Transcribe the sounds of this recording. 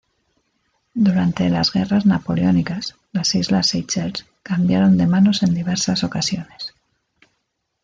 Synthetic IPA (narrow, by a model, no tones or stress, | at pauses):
d̪uɾant̪e̞lazɣe̞raznapo̞leo̞nikas | lasizlasejt͡ʃeɾs | kambjaɾo̞nd̪e̞mano̞se̞nd̪iβ̞e̞ɾsaso̞kasjo̞ne̞s